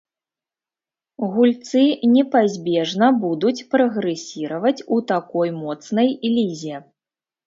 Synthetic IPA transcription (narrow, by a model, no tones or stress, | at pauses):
ɣulʲt̪sɨnʲɛpazʲbʲɛʐnɐbud̪ut͡sʲpɾɐɣɾɛsʲiɾɐvɐt͡sʲut̪akɔjmɔt̪snɐjlʲizʲɛ